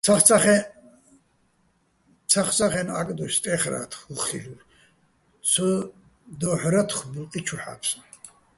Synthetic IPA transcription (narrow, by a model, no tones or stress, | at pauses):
t͡sʰaχaχɛ | t͡sʰaχt͡sʰaχɛna̰kʼd̪ɔʃt̪ʼɛχɾa̰t̪ʰχlχḭl | t͡sʰə | d̪ɔħɾat̪ʰχbulq̪ʼit͡ʃʰuħa̰pʰs